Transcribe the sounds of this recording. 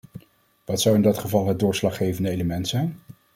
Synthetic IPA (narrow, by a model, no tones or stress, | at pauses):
ʋɑtsʌwɪndɑtχəvɑlˠɦəd̚dʊːɹslɑχːejvəndəejləmɛntsɛjn